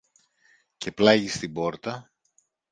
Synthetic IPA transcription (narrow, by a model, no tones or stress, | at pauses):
ce̞plɐʝist̪ibo̞ɾt̪ɐ